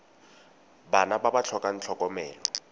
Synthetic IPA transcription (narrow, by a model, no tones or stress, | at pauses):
banababat͡ɬʰɔkʼan̩t͡ɬʰɔkʼɔmɛːlɔ